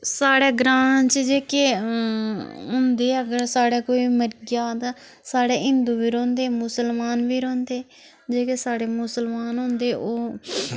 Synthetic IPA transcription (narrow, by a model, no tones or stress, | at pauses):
saːɽeːɡɾãːt͡ʃd͡ʒeːkeː | ɦʊ̃nd̪eːəɡəɾsaːɽeːkoːiːməɾɡaːd̪aː | saːɽeːɦɪ̃nd̪uːʋiːɾõːnd̪eːmʊsəlmaːnʋiːɾõːnd̪eː | d͡ʒeːkeːsaːɽeːmʊsəlmaːnɦʊ̃ːnd̪eːʔoː